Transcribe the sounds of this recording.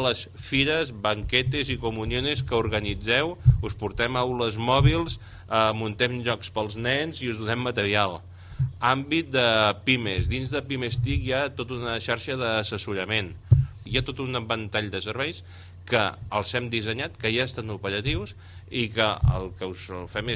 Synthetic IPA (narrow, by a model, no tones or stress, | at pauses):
ləsfiɾəzbəŋkɛt̪ezikumunjoneskəuɾɣənid͡zɛwuspuɾt̪ɛmawləzmɔβilˠs | əmunt̪ɛmʎɔkspəlˠznɛnziuzðunɛmːət̪əɾialˠ | ambit̪̚d̪əpimezd̪inzðəpimest̪ikjat̪ot̪unəʃaɾʃəðəːsəsuɾəmenjat̪ot̪unbənt̪aʎd̪əsəɾβɛjs | kəəlˠzɛmd̪izəɲat̪kəjaəst̪anupəɾət̪iws | ikəə̰lˠkəusfɛme